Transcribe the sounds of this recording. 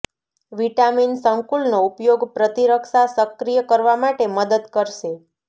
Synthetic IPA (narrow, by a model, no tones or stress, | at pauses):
ʋiʈaminsəŋkulnoupjoɡpɾət̪iɾəkʃasəkɾijəkəɾʋamaʈeməd̪əd̪kəɾʃe